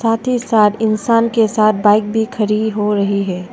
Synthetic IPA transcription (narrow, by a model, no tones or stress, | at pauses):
saːt̪ʰisaːt̪ɪnsaːnkesaːt̪̚ʰbaːɪk̚bʱikʰɐɾiːd̪ɦoɾɐɦiɦɛː